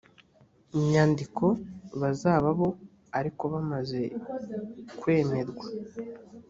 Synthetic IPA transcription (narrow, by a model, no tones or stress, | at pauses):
imɲaːndikʰo̞βazaːβaβo̞ | aɾiko̞βamaze̞ | kwe̞ːme̞zɡwa